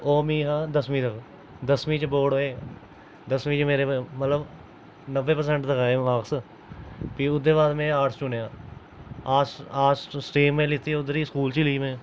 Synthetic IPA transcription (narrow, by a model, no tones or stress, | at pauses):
oːmĩːɦaːd̪əsmĩːt̪ək | d̪əsmĩːt͡ʃboːɽoːeː | d̪əsmĩːt͡ʃmeːɾemət̪ləb | nəʋːeːpəɾsɛ̃ɳʈt̪əkaːeʋaːks | piːʊd̪ebaːd̪mẽːaːʈst͡ʃʊneaː | aːsaːsʈiːmːẽːlɪt̪iːʊd̪əɾiːskuːlt͡ʃiliːmẽː